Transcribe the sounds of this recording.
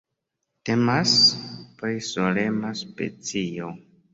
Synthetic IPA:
te̞maspɾisolemaspe̞̰t͡sio

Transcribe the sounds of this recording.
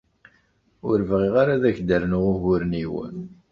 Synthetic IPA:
ʊɾvʁiʁaɾaðæçd̪əɾnʊʁʊʝʊɾniwə̰n

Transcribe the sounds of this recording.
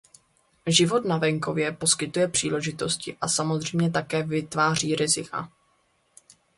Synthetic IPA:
ʒɪvo̞t̪navɛŋko̞vjɛpo̞skɪt̪ujɛpr̝̥iːlɛʒɪt̪o̞scɪʔasamozr̝ɛjmɲɛt̪̬akɛːvɪt̪vaːr̝iːɾɪzɪkʰa̰

